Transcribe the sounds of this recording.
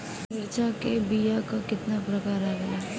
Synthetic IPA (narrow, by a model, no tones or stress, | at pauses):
mɪɾt͡ʃakebijakakɪt̪napɾɐkaːɾaɡɐjaː